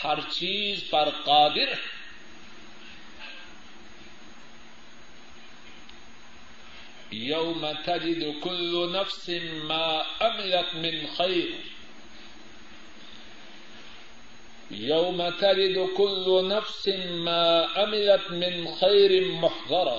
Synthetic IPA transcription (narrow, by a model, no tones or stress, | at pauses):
haɾt͡ʃiːzfɑɾˤqɑːd̪ɪɾ | jawmat̪ad͡ʒɪd̪kʊlːʊnafsɪmaːʔamɪlat̪mɪnxajɾ | jawmat̪ad͡ʒɪd̪kʊlːʊnafsɪmaːʔamɪlat̪mɪnxajɾɪmʊħðˤɑɾˤ